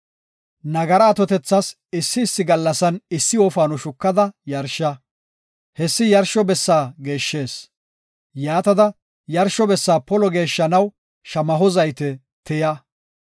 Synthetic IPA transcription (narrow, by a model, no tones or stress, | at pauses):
nɐɡɐɾɐːt̪ɔt̪ɛt͡sːɐs | ɪsːɪːsːɪɡɐlːɐsɐnɪsːɪɔfaːnɔʃʊkːɐd̪ɐjɐɾʃːɐ | hɛsːɪjɐɾʃɔbɛsːaːɡe̞ːʃːe̞ːs | jaːt̪ɐd̪ɐ | jɐɾʃɔbɛsːaːpɔlɔɡe̞ːʃːɐnɐw | ʃɐmɐɦɔzɐjt̪ɛ | t̪ɛjɐ